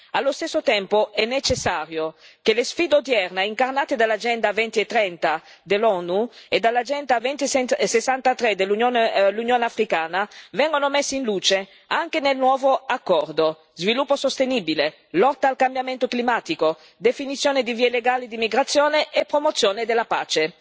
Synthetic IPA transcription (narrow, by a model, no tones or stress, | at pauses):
alːost̪ɛsːot̪ɛmpoɛnːet͡ʃesːaːɾjokelesfiːd̪od̪jɛrnaiŋkarnaːt̪ed̪alːad͡ʒɛnd̪avɛnt̪iet̪ːɾɛnt̪a | d̪elɔnued̪alːad͡ʒɛnt̪avɛnt̪isesːant̪at̪ɾed̪elːunjonlːunjoːneafɾikaːnavɛŋɡonomesːeinluːt͡ʃe | aŋk̟enelnwɔːvoakːɔrd̪o | zvilupːosost̪enibile | lɔt̪ːaːlkambjament̪oklimaːt̪iko | d̪efinit̪sːjoːned̪iviːeleɡaːlid̪imiɡɾat̪sːjoːneʔːpːɾomot̪sːjoːned̪elapa̰ːt͡ʃe